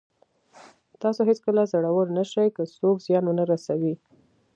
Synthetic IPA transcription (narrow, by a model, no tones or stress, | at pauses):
t̪ɑsoɦɪt͡skəlazaɽawəɾnaʃajkəsokzjɑnwənaɾasawi